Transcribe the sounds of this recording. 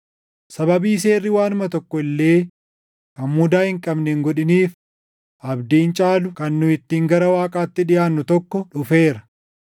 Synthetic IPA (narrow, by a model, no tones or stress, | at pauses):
sɐbɐbiːse̞ːrːɪwaːnʊmɐt̪ɔkːɔɪlːe̞ː | kɐmmuːd̪aːhɪŋkʼɐbnɛŋɡɔᶑɪniːf | ʔɐbd̪iːnt͡ʃʼaːlʊkɐnːʊɪt̪ːiːŋɡɐɾɐwaːkʼaːt̪ːɪᶑɪjaːnːʊt̪ɔkːɔᶑʊfe̞ːɾɐ